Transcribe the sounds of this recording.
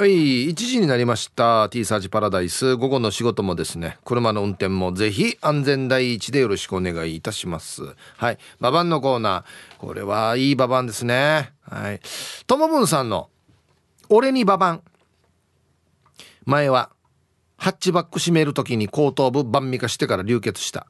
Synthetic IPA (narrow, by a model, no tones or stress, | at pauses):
oiit͡ɕiʑiɲ̟inaɾʲimaɕi̥t̪at̪ʲiːsaːʑipaɾad̪aisɨɡo̞ɡo̞no̞ɕiɡo̞t̪o̞mo̞d̪e̞sɨne̞̰kɯ̟ɾɯ̟mano̞ɯ̟̃nt̪ẽ̞mːo̞ze̞çiãnd͡zẽ̞nd̪aiːt͡ɕid̪e̞jo̞ɾo̞ɕi̥kɯ̟o̞ne̞ɡaiːt̪aɕimasɨ̰haibabãnːo̞ko̞ːnaːko̞̰ɾe̞̰βaiːbabãnd̪e̞sɨne̞ha̰it̪o̞mo̞bɯ̟̃ɰ̃sãnːo̞̰ | oɾe̞ɲ̟ibabãŋ | mae̞βa | hat͡ɕibakːɯ̟ɕime̞ɾɯt̪o̞k̬ʲiɲ̟iko̞ːt̪o̞ːbɯ̟bãmːʲikaɕi̥t̪e̞kaɾaɾʲɯːke̞t͡sɨ̥ɕi̥t̪a̰